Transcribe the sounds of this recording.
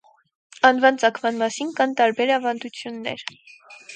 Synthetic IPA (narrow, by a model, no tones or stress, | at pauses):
ɑnvɑnt͡sɑkʰmɑnmɑsinkɑnt̪ɑɾbɛɾɑvɑnd̪ut͡sʰjunːɛ̰ɾ